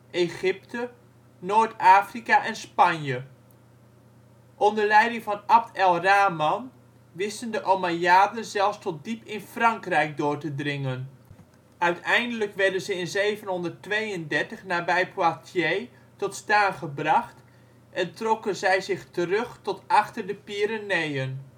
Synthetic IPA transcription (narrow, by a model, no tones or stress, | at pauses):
ʔejχɪp̚tə | noːɹtaːfrikaʔɛnspɑɲjə | ʔɔndəɹlɛjdɪŋvɑnɑp̚tʰɛlˠraːmɑn | ʋɪstəndəʔomajaːdəzɛlˠfstɔt̚dipɪnfrɑŋkrɛjk̚dʊːɹtədrɪŋən | œɥtɛjndələkʋɛɹdənzəɪnzejvənɦɔndərtʋejəndɛɹtəχnaːbɛjpwartʰjej | tɔtstaːnχəbrɑχt | ʔɛntrɔkənzɛjzɪχtərɵχtɔtɑχtərdəpiɾənejən